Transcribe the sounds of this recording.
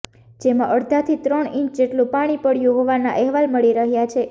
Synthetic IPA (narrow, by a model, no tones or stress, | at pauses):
d͡ʒemãʔəɽd̪ʱat̪ʰit̪ɾəɳĩɲt͡ʃd͡ʒeʈlũpaɽ̃ipəɽjũɦoʋana̰ʔɛɦʋalməɭiɾəɦjat͡ʃʰe